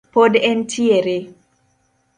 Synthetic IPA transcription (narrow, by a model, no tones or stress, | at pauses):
podɛntʰieɾe